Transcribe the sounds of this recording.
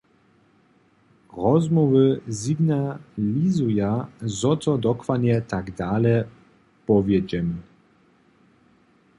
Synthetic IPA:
rɔzmɔvɘziɡnalʲizujazɔt̪ɔd̪ɔkvaɲɛt̪aɡd̪aːlɛ | pɔvʲjɛd͡ʑɛm

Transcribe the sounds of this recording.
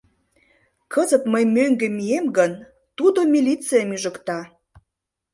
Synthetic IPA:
kʰəzət̪məjmøŋɡĕmijemɡən | t̪ud̪omʲilʲit͡sijəmyʒə̆kt̪ɑ

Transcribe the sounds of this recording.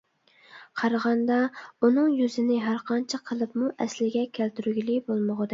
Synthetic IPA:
qʰɑɾʁɑnd̪ɑunɨŋjyzɪnɪɦæɾqʰɑnt͡ʃʰɑqʰəlˠɨpmuʔɛslɪɡʲɛkʲʰælt̪ʰyɾyɡʲilibolˠmoʁəd̪ɪ

